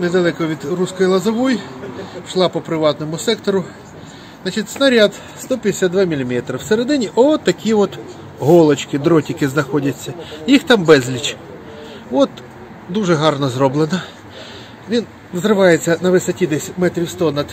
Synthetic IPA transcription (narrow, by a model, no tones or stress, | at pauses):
ned̪ɐlˠɛkɔʋʲid̪ruskɔjilˠɐzɐʋɔjiʃlˠɑpɔpɾɪʋɑt̪nɔmʊsɛkt̪ɔɾʊ | nɑt͡ʃitʲsnɐɾʲɑd̪ | st̪ɔpʲd̪ʲɪsʲad̪d̪ʋɑmʲilʲimʲɛt̪ɾɐwseɾed̪ɪnʲiʔɔɔt̪ːɐkʲiʋɔt̪ | ɦɔlˠɔt͡ʃkɪd̪ɾɔtʲɐkɪznɐxɔdʲɐt͡sʲːɐjixt̪ɑmbɛzʲlʲit͡ʃ | ɔt̪ | d̪uʒɛɦɑrnɔzɾɔblˠenɐ | ʋʲin | ʋzɾɪʋɑjet͡sʲːɐnɐʋɪsɐtʲid̪ɛsʲmɛt̪ɾʲiwst̪ɔnɐd̪̥